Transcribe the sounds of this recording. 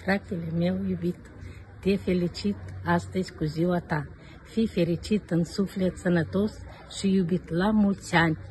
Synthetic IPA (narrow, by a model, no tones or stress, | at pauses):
frak̚t̪elemewjubit̪ə̥d̪̥iəfelit͡ʃit̪azt̪eskuziwat̪a | fifeɾit͡ʃit̪ənisuflʲet͡sanat̪os | ʃijubit̪lamult͡siani̥